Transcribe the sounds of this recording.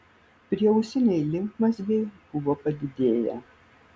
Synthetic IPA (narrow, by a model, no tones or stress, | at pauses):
pʲɾʲiɛʊsʲɪnʲɛɪlʲɪŋkmɐsʲʋʲeɪb̥ʊʋoːpɐd̪ʲɪd̪ʲeːjɛ̰